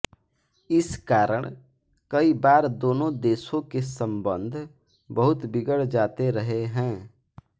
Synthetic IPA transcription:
ɪskaːɾəɽ̃ | kɐibaːɾd̪oːnõd̪eːʃõkesə̃mbə̃nd̪ʱ | bəɦʊt̪bɪɡəɽd͡ʒaːt̪eɾɐɦeɦɛ̃ː

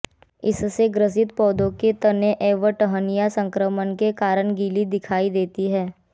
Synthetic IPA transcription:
ɪsseɡɾəs̬ɪt̪pɔːd̪õket̪ɐneʔeːʋəʈəɦənijasə̃ŋkɾəmənkekaːɾəɳɡiːlid̪ɪkʰaːid̪eːt̪iɦɛː

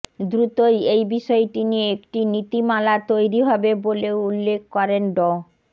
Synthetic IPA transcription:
d̪ɾut̪ojejbiʃɔeʈinieek̚ʈinit̪imalat̪ojɾiɦɔbeboleoulːek̚ʰkɔɾenɖɔ

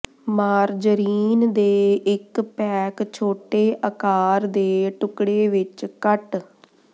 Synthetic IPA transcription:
maːɾd͡ʒəɾiːnd̪eːɪkpɛːkt͡ʃʰoːʈeːʔəkaːɾd̪eːʈʊkɽeːʋɪt͡ʃkəʈ

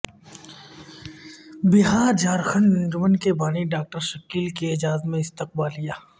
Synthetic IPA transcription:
bɪɦaːɾd͡ʒaːɾxəɳɖnɐnd͡ʒmənkebaːniɖaːk̚ʈəɾʃəkiːlkeɪd͡ʒaːt̪mẽɪst̪ɪq̚baːlɦijaː

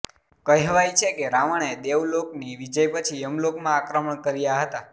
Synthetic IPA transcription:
kəjɦʋajt͡ʃʰekeɾaʋəɳ̃ed̪eʋlokniʋid͡ʒəjpət͡ʃʰiəmlokmãːkɾəməɳkəɾijaɦət̪a

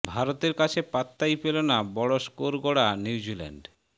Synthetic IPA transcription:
bʱaɾot̪eɾkat͡ɕʰepat̪ːajpelonabɔɽoʃkoɾɡoɽanjiwd͡ʑilɛ̰ɳɖ

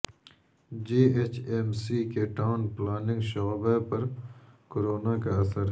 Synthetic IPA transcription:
d͡ʒiːet͡ʃemsiːkeʈaːnplaːnɪ̃ŋɡʃoɣbepɐɾkoɾoːnakaɐsəɾ

